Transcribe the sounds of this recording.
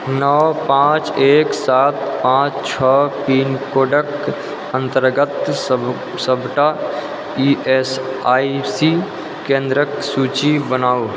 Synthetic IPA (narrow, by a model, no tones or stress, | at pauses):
nəwpãːt͡ʃeːksaːt̪̚pãːt͡ʃt͡ʃʰəpiːnkoːɖək | ə̃nt̪əɾɡət̪ | səbʱʈa | iesaːisi | kẽːnd̪ɾəksuːt͡ʃibənaːu